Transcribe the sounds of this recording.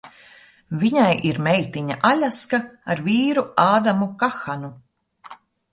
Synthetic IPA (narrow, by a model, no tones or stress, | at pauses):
viɲajʔiɾmɛjt̪iɲa̰ʔalʲaskaaɾviːɾuaːd̪amukaxanu